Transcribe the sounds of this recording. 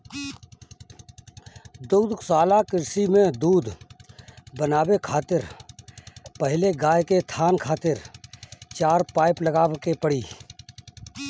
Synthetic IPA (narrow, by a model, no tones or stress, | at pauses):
d̪uːd̪saːlakɪɾsimẽd̪uːd̪ | bənaːwekʰaːt̪ɪɾ | pəɦɪleɡaːjket̪ʰaːnkʰaːt̪ɪɾ | t͡ʃaːɾpaːɪpləɡaːwkepəɽiː